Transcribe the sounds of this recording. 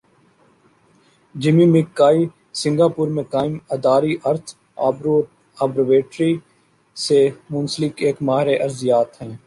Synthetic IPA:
d͡ʒɪmĩːmɪkːaːiː | sɪ̃ŋɡaːpʊːɾmẽkaːɪməd̪aːɾiːʔəɾt̪ʰː | aːbɾʋeːʈɾiː | semʊ̃nsəlɪkeːkmaːɦɾeːʔɐɾzjaːt̪ɦɛ̃ː

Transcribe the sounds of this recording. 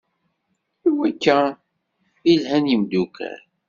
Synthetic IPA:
iwækːæ | ilhænjəmd̪ukʰæ̰ɾ

